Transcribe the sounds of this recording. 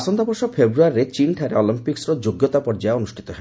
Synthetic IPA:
sɔnd̪ɔpoɾʃɔpʰebɾuaɾiɾet͡ɕinʈʰaɾeɔlimpiksɾod͡ʒoɡjot̪apɔɾd͡ʒaeonusʈʰit̪ɔɦe

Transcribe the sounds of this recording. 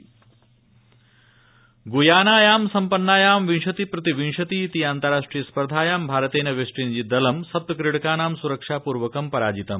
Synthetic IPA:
ɡujaːnaːjaːmsɐmpɐnːaːjaːmʋinʃɐt̪ipɾɐt̪iʋinʂɐt̪iːt̪iaːnt̪ɐɾaːʂʈɾijɐspɐɾd̪ʱaːjaːmbʱaːɾɐt̪eːnɐʋeʂʈiːnd͡ʒid̪ɐlɐmsɐt̪ɐkɾiɽkaːnaːmsuɾɐkʂaːpuːɾʋɐkɐmpɐɾaːd͡ʒit̪ɐm

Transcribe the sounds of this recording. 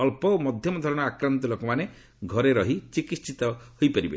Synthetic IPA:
ɔlpɔomɔd̪ʱjɔmɔd̪ʱɔɾɔɽ̃ɔakɾant̪ɔlokɔmane | ɡʱɔɾeɾɔɦit͡ʃikissit̪ɔhojpaɾibḛ

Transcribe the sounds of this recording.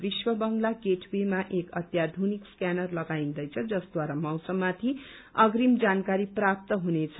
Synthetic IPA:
biswʌbʌŋlakeʈʰbimaʔekʌt̪jad̪ʱunikskjanʌrlʌɡaĩnd̪ʌjt͡sʰʌd͡zʌsd̪waɾamʌwsʌbmːat̪ʰi | ʌɡɾimd͡zankaɾiprap̚t̪ʌɦunet͡sʰʌ

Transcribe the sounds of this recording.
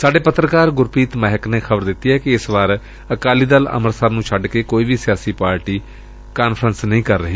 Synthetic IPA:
saːɖeːpət̪ɾəkaːɾɡʊɾpiːt̪mɛːɦɪkneːxʰəbəɾd̪ɪt̪ːiːɦɛːkɪɪsʋaːɾ | əkaːliːd̪ələ̰məɾsəɾnũːt͡ʃʰəɖkeːkoːiːʋiːsɪjaːsiːpaːɾʈiː | kaːnpʰɾənsnəĩːkəɾːəɦiː

